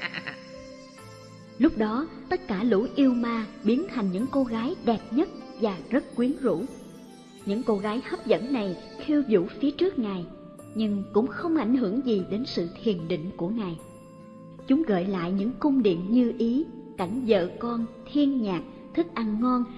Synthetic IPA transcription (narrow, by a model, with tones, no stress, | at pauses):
lʊ˦˥k͡p̚ɗɔ˨˦t̪ə˦˥t̚kaː˧˩lṵ˧˥ʔi˧əwmaː˧ɓi˨˦ənt̪ʰa˨˩jŋ̟ɲɨ̰˧˥ŋko˧ɣaː˨˦jɗɛ˨˩p̚ɲə˦˥t̚vaː˨˩zə˦˥t̚kwi˨˦ənzṵ˧˥ | ɲɨ̰˧˥ŋko˧ɣaː˨˦jhə˦˥p̚zə̰˧˥nːa˨˩j | xi˧wzṵ˧˩˥fi˨˦ət͡ɕɨ˦˥ək̚ŋaː˨˩j | ɲɨ˧ŋkʊ̰˧˥ŋ͡mxə˧wŋ͡mʔa˧˩jŋ̟ɦɨ˧˩əŋzi˨˩ɗe˨˦nsɨ̰˧˨t̪ʰi˨˩ənɗḭ˧˨ŋ̟ku˧˩əŋaː˨˩j | t͡ɕʊ˨˦ŋ͡mɣə̰ː˧˨jla̰ː˧˨jɲɨ̰˧˥ŋkʊ˧ŋ͡mɗḭ˧˨əmɲɨ˧ʔi˨˦ka˧˩jŋ̟zə̰ː˧˨kɔ˧nt̪ʰi˧ənɲaː˨˩k̚ | t̪ʰɨ˦˥k̚ʔa˧nːɔ˧n